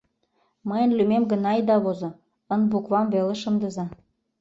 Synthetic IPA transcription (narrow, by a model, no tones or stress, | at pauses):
mɤjə̆nlymemɡə̆nɑjd̪ɑβozŏ | ə̆nbukβɑmβelĕʃɤ̆md̪ɤ̆zɑ